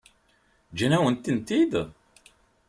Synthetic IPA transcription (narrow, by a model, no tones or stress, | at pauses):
d͡ʒænæwənt̪ənt̪id̪